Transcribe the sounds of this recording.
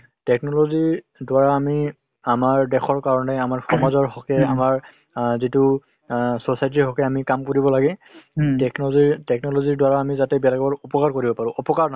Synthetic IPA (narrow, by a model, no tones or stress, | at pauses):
tɛk̚nɔlozi | dwaɹaːmi | amaɹdɛxʰɔɹkaɹɔnɛamaɹxʰɔmazɔɹxɔkɛamaɹ | zitu | sosajt̬ixɔkʰɛamikamkoɹibɔlaɡɛtɛknɔzitɛknɔloziɹdwaɹaːmizatɛbalaɡbɔɹɔpɔkaɹkoɹibɔpaɹʊ̃ʔɔpɔkaɹn